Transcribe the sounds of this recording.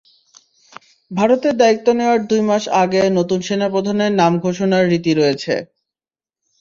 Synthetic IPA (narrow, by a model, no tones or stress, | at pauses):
bʱaɾot̪eɾd̪aikt̪ːoneoaɾd̪ujmaʃaɡenot̪unʃenapɾod̪ʱaneɾnamɡʱoʃonaɾːit̪iɾojet͡ɕʰḛ